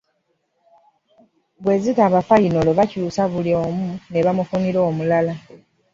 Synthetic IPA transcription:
βwe̞ːzitaːβafainoloβacuːsaβulioːmune̞βamufuniɾo̞ːmulala

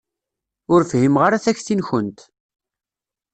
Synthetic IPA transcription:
ʊɾfhimʁaɾaθæçθinçənt̪

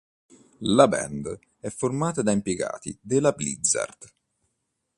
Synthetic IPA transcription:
labɛ̰nd̪ | ɛfːormaːt̪ad̪aimpjeɡa̰ːt̪ḭd̪elablid̪za̰rd̪̥

